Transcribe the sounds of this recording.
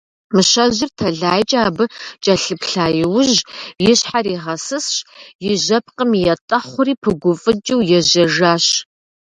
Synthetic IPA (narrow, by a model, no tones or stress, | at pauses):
mɨɕɐʑɪrtʰɐɮaːjt͡ʃʼaːbɨt͡ʃʼɐɬɨpɬaːjɪwʊʑjɪɕħaɾiːʁɐsɨsɕjɪʑɐp̚ʰqəmijɛtʼɐχʷʊɾiːpʰɨɡʷʊfʼɨd͡ʒʼɪwjɛʑɐʒaːɕ